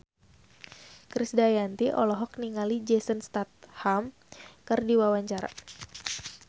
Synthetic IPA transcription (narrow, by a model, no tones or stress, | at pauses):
kɾɪsdajant̪iʔɔ̰lɔɦɔk̚niŋalid͡ʒɛsənst̪at̪̚ham | kərdiwawaɲt͡ʃaɾa̰